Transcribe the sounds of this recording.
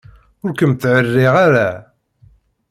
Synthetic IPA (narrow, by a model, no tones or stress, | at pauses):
ʊɾkəmt̪ːʕərːɪʁaɾæ